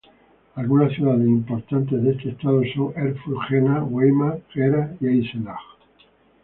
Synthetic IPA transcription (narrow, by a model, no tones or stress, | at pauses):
alɣunasθjuðaðesimpo̞ɾt̪ant̪ezðest̪est̪aðosoŋeɾfuxenaɣwejmaɣeɾaiajselax